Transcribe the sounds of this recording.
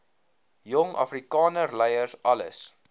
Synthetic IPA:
jɔŋʔɐ̰frikɑːnərlɛjərsɐlə̰s

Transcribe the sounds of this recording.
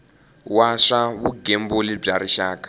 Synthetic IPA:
waʂaβuɡembolib͡ʐaɾiʃaːkḁ

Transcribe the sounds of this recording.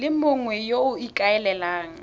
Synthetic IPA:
lɪmʊŋwɛjoʊikʼaɛlɛlaːŋ̩

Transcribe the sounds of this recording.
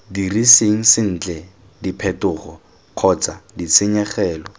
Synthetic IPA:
diriseŋ̩sɪn̩ːt͡ɬɛ | dipʰɛtʊːχɔ | q͡χʰɔt͡sadit͡sʰɪɲɛχɛːlɔ

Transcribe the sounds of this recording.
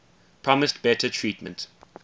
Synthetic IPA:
pʰɹ̥ɔmɪstb̥ɛtʰətʰɹiːˑtmə̰̃nt

